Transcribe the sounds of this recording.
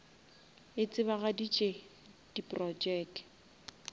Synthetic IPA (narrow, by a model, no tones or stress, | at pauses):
ɪt͡sʼɪβaɣadit͡ʃʼe | d̥ipʼrɔd͡ʒɛk